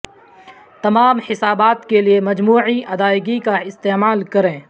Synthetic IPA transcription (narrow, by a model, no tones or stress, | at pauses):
t̪ɐmaːmħɪsaːbaːt̪keliemɐd͡ʒmuːʕiʔɐd̪aːɪɡikaɪst̪eːmaːlkɐɾẽː